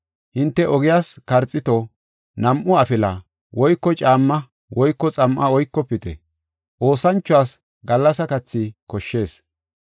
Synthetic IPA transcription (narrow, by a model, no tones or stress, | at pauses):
hɪnt̪ːɛʔɔɡɪjaːskɐɾt͡sʼːɪt̪ɔ | nɐmʔʊɐfɪlɐ | wɔjkːɔt͡ʃʼaːmːɐ | wɔjkːɔt͡sʼɐmʔɐwɔjkːɔpːɪt̪ɛ̰ | ʔo̞ːsɐnt͡ʃːʊaːs | ɡɐlːɐsɐkɐt͡sːɪkɔʃːe̞ːs